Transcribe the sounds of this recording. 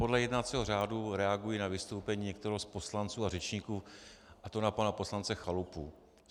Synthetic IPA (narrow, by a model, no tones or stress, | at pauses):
po̞dlɛjɛdnat͡siːɦor̝aːduɾɛaɡujinavɪst̪o̞wpɛɲiːɲɛkt̪ɛɾɛɦospo̞slant͡suːarɛt͡ʃɲikuːʔat̪onapanapo̞slant͡sɛxalupu